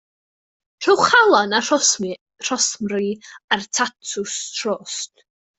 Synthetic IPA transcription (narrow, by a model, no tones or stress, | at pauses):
r̥ɪwχalˠɔnarɔsm | r̥ɔsmriartʰatʰʊstʰroːst